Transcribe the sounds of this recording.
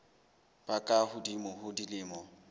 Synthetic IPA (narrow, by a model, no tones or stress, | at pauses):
b̥akʼahʊdimɔɦʊdilɪːmɔ